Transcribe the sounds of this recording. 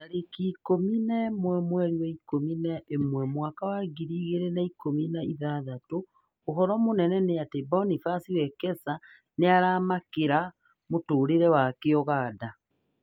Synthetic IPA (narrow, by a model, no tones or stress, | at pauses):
aɾekikominamwɛmwɛɾiwɛikominaʔemwɛmwakawaɡiɾiːɣeɾenaikominaiðaðatoː | ɦɔɾɔmonɛnɛneatebɔnifasiwɛkɛsa | neaɾaːmakeɾa | motoːɾeɾɛwakeɔɣaːda